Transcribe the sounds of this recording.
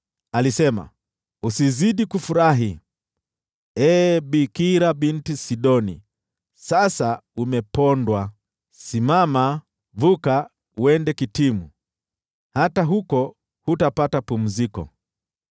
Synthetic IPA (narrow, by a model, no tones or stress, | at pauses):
alisɛma̰ | usiziɗikufuɾaɦi | ɛːɓikiɾabintisiɗɔnḭ | sasaumɛpɔndwa | simama | vuka | wɛndɛkitimu | hataɦukɔ | hutapatapum̩zikɔ̰